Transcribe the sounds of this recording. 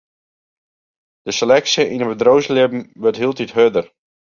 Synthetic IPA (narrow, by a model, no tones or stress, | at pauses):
d̥əsəlɛksəʔinəbədrowzlɪbm̩ʋøɹtɦiəlˠtitɦødər